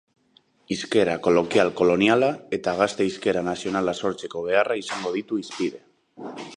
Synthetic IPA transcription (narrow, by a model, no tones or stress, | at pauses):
iske̞ɾako̞lo̞kialko̞lo̞nialae̞t̪aɣ̞ast̪eiske̞ɾanasio̞nalaso̞ɾt͡se̞ko̞β̞e̞araisaŋɡo̞ð̞it̪uispiðe̞